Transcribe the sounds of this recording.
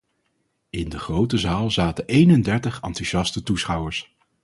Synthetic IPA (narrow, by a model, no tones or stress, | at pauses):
ɪndəχrowtəzaːlˠzaːtəʔejnəndɛɹtəχɑ̰ntuʒɑstətusχʌwəɹs